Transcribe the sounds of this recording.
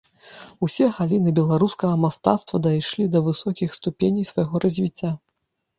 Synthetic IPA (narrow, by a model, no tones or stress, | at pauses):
usʲɛɣalʲinɨbʲɛlˠaɾuskɐɣɐmast̪a̰t̪st̪vɐd̪ajʂlʲid̪ɐvɨsɔkʲixst̪upʲenʲijsvɐjɣɔɾɐzʲvʲit͡sʲːa